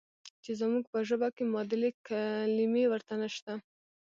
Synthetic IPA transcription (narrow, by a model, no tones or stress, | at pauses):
t͡ʃezamuɡ̚pəʒəbakemɑd̪ɪlekalimewəɾt̪anaʃt̪a